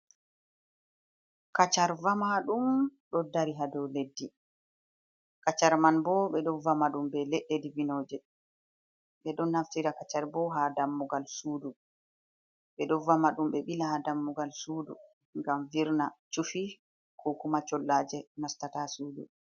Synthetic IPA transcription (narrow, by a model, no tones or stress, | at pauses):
kat͡ʃaɾvamaɗumɗɔdaɾiɦadɔledːi | kat͡ʃaɾmanbɔɓɛɗɔvamaɗumbɛleɗːedivinoːd͡ʒɛ | ɓɛɗɔnːaftiɾakat͡ʃaɾbɔɦadamːuɡalsuːdu | ɓɛɗɔvamaɗumɓɛɓilahadamːuɡalsuːdu | ŋɡamviɾnat͡ʃufi | kʰukumat͡ʃɔlːaːd͡ʒɛnastatasuːdu